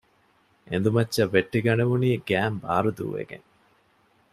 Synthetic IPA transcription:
ḛnd̪umɐtːɐʋːeʈːiɡɐneʋuniːɡæːmba̰ːɾud̪ṵːʋḛɡḛŋ

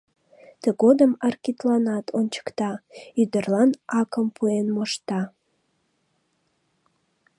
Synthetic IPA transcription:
t̪əɡod̪əmərkit̪lɑnɑt̪ʰont͡ɕə̥kt̪ɑyd̪ərlɑnʔɑkəmpuenmoʃt̪ɑ

